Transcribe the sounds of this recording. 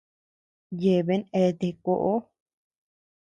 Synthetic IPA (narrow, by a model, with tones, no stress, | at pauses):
je˧βe˧˦ne˧t̪e˧ko˧ʔo˦